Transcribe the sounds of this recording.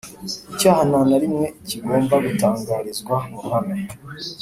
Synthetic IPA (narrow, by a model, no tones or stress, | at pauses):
icaːhananaɾimŋe̞iciɡo̞ːmbaɡutaːŋɡaːɾizɡwamunana